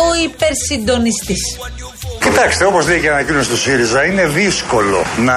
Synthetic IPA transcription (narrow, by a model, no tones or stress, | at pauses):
oipeɾsind̪o̞nist̪is | cit̪ɐkst̪eo̞pozleceɐnɐcino̞sist̪osiɾizɐine̞ðisko̞lo̞̰nɐ